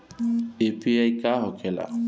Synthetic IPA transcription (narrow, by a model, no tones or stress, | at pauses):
epʰiajkaɦɔkʰɛla̰